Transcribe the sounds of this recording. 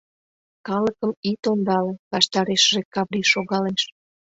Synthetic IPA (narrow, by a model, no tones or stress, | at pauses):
kɑləkəmit̪ond̪ɑlĕβɑʃt̪ɑɾeʃəʒekɑβɾiʃoɣɑleʃ